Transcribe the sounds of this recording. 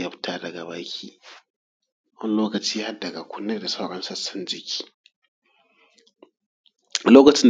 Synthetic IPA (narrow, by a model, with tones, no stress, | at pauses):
jɐ˦ɸtʰaː˦dɐ˨ɡa˨baː˦kʲiː˦ | wɐ˦nloː˦kɐ˨t͡ʃiː˦ja˦a˦dɐ˨ɡa˨kʷʊ˦nːɐ˦rda˨sa˦wɽɐ˦nsɐ˦sɐ˦˨nd͡ʒɪ˦kʲi̥ː˦ | a˨loː˦kɐ˨t͡ʃɪ˦n